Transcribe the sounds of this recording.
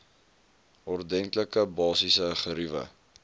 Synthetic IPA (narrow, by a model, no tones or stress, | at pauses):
ɔrdɛŋkləkəbɑːsisəχəɾivə̰